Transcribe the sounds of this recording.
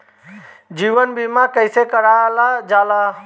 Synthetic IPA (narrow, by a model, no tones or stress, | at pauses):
d͡ʒiːʋənbimakəɪsekəɾalad͡ʒaːla